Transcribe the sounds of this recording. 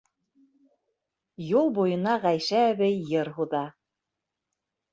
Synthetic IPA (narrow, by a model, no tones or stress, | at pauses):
julˠbujɤ̆nɑʁæjʃæːβɘjːɤɾɦuðɑ